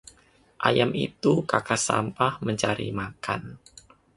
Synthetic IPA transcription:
ʔajamḭt̪ukakasa̰mpahməɲt͡ʃaɾḭmakan

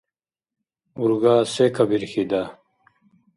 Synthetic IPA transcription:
uɾɡaːsekʰɐbiɾxid̪a

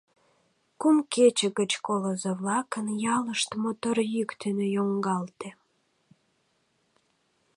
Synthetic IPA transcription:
kumket͡ɕəɣət͡ɕkoləzeβlɑkənjɑləʃt̪mot̪orjykt̪ynøjoŋɡɑlt̪e

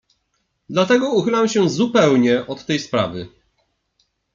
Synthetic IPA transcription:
d̪lat̪ɛɡɔuxɘlamɕɛzupɛwɲɛʔɔt̪ːɛjspɾa̰vɘ

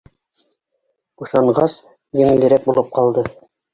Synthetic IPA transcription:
uʃɑɴɢɑs | jɘ̆ŋɘ̆lɘ̆ɾæk̚bulˠɤp̚qɑlˠd̪ɤ

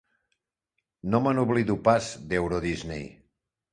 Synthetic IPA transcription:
nomanuβliðupazd̪ɛwɾoðiznḛj

